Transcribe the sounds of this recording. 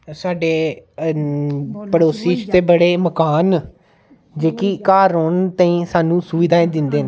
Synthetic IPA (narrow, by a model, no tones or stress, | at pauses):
saːɖeː | pəɽoːsiːt͡ʃt̪eːbəɽeːməkaːn | d͡ʒeːkikaːɾoːnt̪aːĩːsaːnũːsʊʋɪd̪aːẽːd̪ɪnd̪eːne